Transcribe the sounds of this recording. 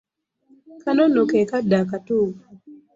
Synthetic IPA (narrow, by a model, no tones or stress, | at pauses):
kanonokɛkadakatʊ